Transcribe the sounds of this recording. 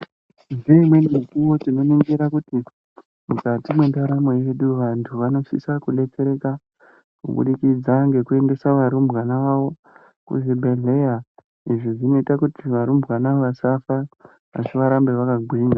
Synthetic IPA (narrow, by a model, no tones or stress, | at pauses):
ndeimwe̞nimikuwo̞tino̞niŋɡiɾakuti | mukatimwe̞ndaɾamoiʋeɗuʋantʰuʋano̞sḭsakuɗe̞t͡se̞ɾe̞ka | kṵɓṵɗikid͡zaŋɡe̞kue̞nde̞saʋaɾumbwanaʋaʋo̞ | kṵʐibʱe̞ɮe̞ja | iʐiʐino̞itakutʰiʋaɾumbwanaʋasafa | ʋa̰t͡ʃiʋaɾambe̞ʋakaɡʱwiːŋɡa